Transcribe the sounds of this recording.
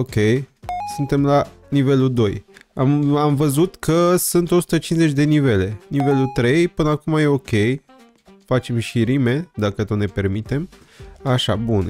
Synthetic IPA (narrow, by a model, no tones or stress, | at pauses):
o̞kʲe̞jsunt̪e̞mla | nive̞lud̪o̞jamamvəzut̪kʰəsunt̪o̞su̥t̪ət͡ʃinze̞t͡ʃʲd̪e̞nive̞le̞nive̞lut̪ɾe̞jpɨnəakumaje̞o̞kʲe̞j | fat͡ʃe̞mʃiɾime̞d̪akət̪onepe̞rmit̪e̞m | aʃa̰bun